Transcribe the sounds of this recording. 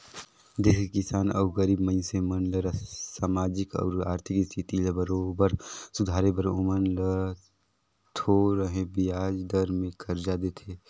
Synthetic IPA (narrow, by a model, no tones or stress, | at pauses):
d̪eːskekɪsaːnə̰ʊɣəɾiːbməɪnsemənləɾsaːmaːd͡ʒɪkɔ̰ːɾa̰ːɾt̪ʰɪkist̪ʰit̪iləbəɾobəɾsʊd̪ʱaːɾebəɾomənlə | t̪ʰoɾəɦẽbiaːd͡ʒd̪əɾmẽkʰɐɾd͡ʒad̪et̪ʰeː